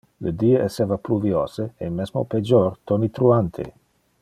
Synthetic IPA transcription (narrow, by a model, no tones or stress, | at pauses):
ləd̪ieesevapluvjɔseemɛsmo̰ped͡ʒɔrt̪onit̪ɾuant̪ʰḛ